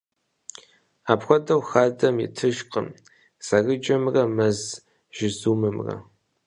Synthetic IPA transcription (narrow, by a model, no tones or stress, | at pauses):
aːpxʷɔdɐwxaːdɐmjɪ̰tʰɨʒqə̰m | saɣɨd͡ʒʼɐmrɐmɐz | ʒ̥ɪzuːmɨmrɐ̰